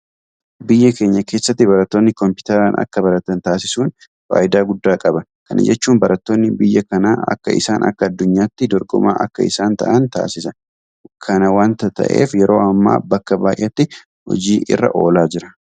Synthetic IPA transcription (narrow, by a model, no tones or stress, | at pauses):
bɪjːɐke̞ːɲːɐke̞ːsːɐt̪ːɪbɐɾɐt̪ːoːnːɪkɔmpɪ̥t̪ɛɾaːnʔɐ̰kːɐbɐɾɐt̪ːɐnt̪aːsɪsuːn | fa̰ːʔɪd̪aːɡʊd̪ːaːkʼɐbɐkɐnɐ̰d͡ʒɛt͡ʃːuːnbɐɾʔɐt̪ːoːnːɪbɪjːɐkɐnaːɐ̰kːɐ̰ɪ̰saːnʔɐ̰kːɐːd̪ːʊɲːaːt̪ːɪd̪ɔɾɡɔ̰ma̰ːʔɐ̰kːɐɪsaːnt̪ɐ̰ʔɐnt̪a̰ːsɪsɐ | kʰɐnɐwaːnt̪ɐt̪ɐ̰ʔḛːfjɛɾo̞ːɐmːa̰ːbɐkːɐbaːʔɐt̪ːɪ | hɔ̰d͡ʒiːʔɪ̰rːɐ̰ʔo̞ːlaːd͡ʒɪɾɐ̥